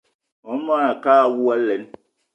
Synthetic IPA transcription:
wɔ˨˦n̩˦mã˦ɾa˨kaː˦˨wu˦a˦lɛ˨˦n

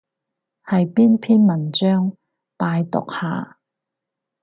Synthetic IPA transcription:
hɐ˨jpiː˥npʰiː˥nmɐ˨˩nt͡ʃœː˥ŋ | paː˧jt̪ʊ̰˨k̚ha̰ː˨

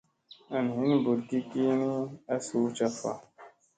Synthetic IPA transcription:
a˨n˨ɦi˦n˦bu˨ɾki˦ki˦ni˦a˦su˨˦t͡ʃa˧fa̰˨

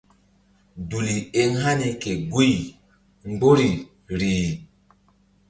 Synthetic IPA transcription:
du˨li˨e˦ŋha˦ni˨ke˨ɡu˦j | ŋ͡mɡ͡bo˦ɾi˨ | ɾiː˨

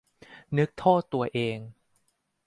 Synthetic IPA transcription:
nɯ˦˥k̚t̪ʰɔː˥˩t̪ːu˧ɐʔeː˧ŋ

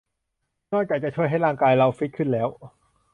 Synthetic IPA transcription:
nɔː˥˩k̚t͡ɕaː˨˩k̚t͡ɕa˨˩t͡ɕʰu˥˩əjɦa˥˩jɾaː˥˩ŋkaː˧jɾa˧wfi˦˥t̪̚kʰɯ˥˩nlɛː˦˥w

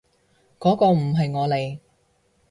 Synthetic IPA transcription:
kɔː˨˥kɔː˧m̩˨˩ɦɐ˨jŋɔː˨˧le˨j

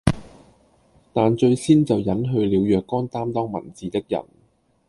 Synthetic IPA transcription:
t̪aː˨nt͡ʃɵ˧ɥsiː˥nt͡sɐ˨wjɐ˨˥nɦɵ˧ɥliː˨˧wjœː˨kːɔː˥nt̪aː˥mt̪ɔː˥ŋmɐ̰˨˩nt͡siː˨t̪ɪ˥k̚jɐ̰˨˩n

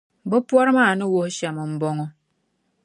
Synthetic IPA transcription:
bɔ˦pwɔ˦ɾma˦˨nɨ˦wo˦hʃa˨mɔ˨m̩˨˦bɔ˦ŋɔ˦

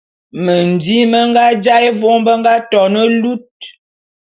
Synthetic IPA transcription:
mə˨n˨di˦mə˦ŋ˦ɡa˦d͡ʒa˦je˦vo˦ŋbə˦ŋ˦ɡa˦tɔ˨nə˦lu˦t̚

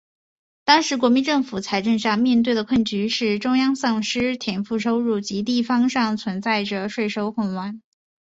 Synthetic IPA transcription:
t̪ɑ˥ŋʂɻ̩˧˥k̬wɔ˧˥mi˧˥nʈ͡ʂɤ˥˩ŋfu˨˩t͡sʰa˧˥ɪʈ͡ʂɤ˥˧ŋɕa˥˧ŋmjɛ˥˧nt̪̬we˥˩ɪd̪ə˩kʰwə˥˩nt͡ɕy˧˥ʂɻ̩˥˩ʈ͡ʂʊ˥ŋjɑ˥ŋsɑ˥˩ŋʂɻ̩˥t̪ʰjɛ˨˩nfu˥˩ʈ͡ʂʰo˥ʊɻu˥˩t͡ɕi˧˥t̪̬i˥˩fɑ˥ŋʂɑ˥˩ŋt͡sʰwə˧˥nt͡sa˥˩ɪʈ͡ʂə˩ʂwe˥˩ɪʂo˥ʊxwʊ˥˩nwa˧˥n

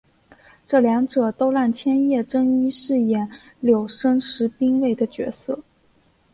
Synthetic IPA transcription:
ʈ͡ʂɤ˥˩ljɑ˧˥ŋʈ͡ʂɤ˨˩t̪o˥ʊla˥˩nt͡ɕʰjɛ˥njɛ˥˩ʈ͡ʂɤ˥ŋi˥ʂɻ̩˥˩jɛ˨˩n | ljo˨˩ʊʂɤ˥ŋʂɻ̩˧˥pi˥ŋwe˥˩ɪd̪ə˩t͡ɕɥɛ̰˧˥sɤ̰˥˩

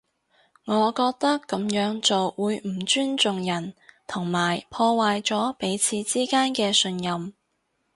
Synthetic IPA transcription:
ŋɔː˨˧kɔː˧k̚t̪ɐ˥kːɐ˨˥mjœː˨˥ŋt͡so˨wwuː˨˧jm̩˨˩t͡ʃyː˥nt͡sʊ˨ŋjɐ˨˩nt̪ʰʊ˨˩ŋmaː˨˩jpʰɔː˧waː˨jt͡sɔː˨˥pe˨˥jt͡sʰiː˨˧t͡siː˥kaː˥nkɛː˧sɵ˧njɐ˨m

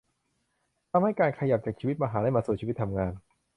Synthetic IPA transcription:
t̪ʰa˧mha˥˩jkaː˧nkʰa˧ja˨˩p̚t͡ɕaː˨˩kt͡ɕʰiː˧wt̪̚maː˧ɦaː˩˦da˥˩jmaː˧su˨˩t̚t͡ɕiː˧˦˥t̪ʰːa˧mŋaː˧n

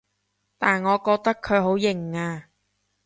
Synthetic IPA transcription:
t̪aː˨˩nŋɔː˨˧kɔː˧k̚t̪ɐ˥kʰːɵ˨˧ɥɦo˨˥wjɪ˨˩ŋːaː˧

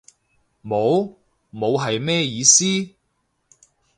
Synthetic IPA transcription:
mo˨˧w | mo˨˧wɦɐ˨jmɛː˥jiː˨˧siː˥

